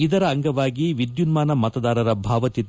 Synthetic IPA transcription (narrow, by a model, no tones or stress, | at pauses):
id̪ɐɾɐːŋɡɐʋaːɡiʋid̪junmaːnɐmɐt̪ɐd̪aːɾɐɾɐbʱaːʋɐt̪i